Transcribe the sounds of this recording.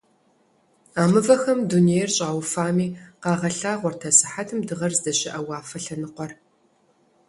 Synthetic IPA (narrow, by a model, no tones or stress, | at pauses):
aːmɨvɐxɐmdunejrɕʼaːwfaːmiːqɑːʁɐɬaːʁʷɔrtʰɐsɨ̥ħatʰɨmdɨʁɐrzdɐɕʼɪʔɐwɑːfɐɬɐnɨqʷɔr